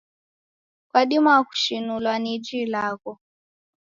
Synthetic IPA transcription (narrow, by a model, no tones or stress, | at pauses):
kwaɗimaku̥ʃinulwanid͡ʒilakɔ